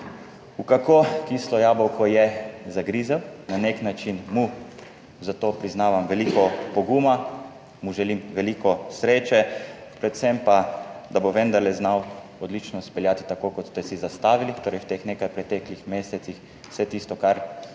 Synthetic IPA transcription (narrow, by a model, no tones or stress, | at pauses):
ukakokislɔjaːbɔwkɔjɛzaɡɾizawnaneknat͡ʃinmu | zat̪oːpɾiznaːʋamʋɛlikɔpɔɡuma | muʒɛlimʋɛlikɔsɾeːt͡ʃɛpɾɛt̪sɛmpad̪aboʋɛnd̪aɾlɛznawɔd̪lit͡ʃnɔspɛljaːt̪i̥t̪akokɔt̪st̪ɛsizast̪aːʋilit̪oːɾɛjwt̪eːxneːkajpɾɛt̪ɛklixmeːsɛt̪six | sɛt̪ist̪ɔkaɾ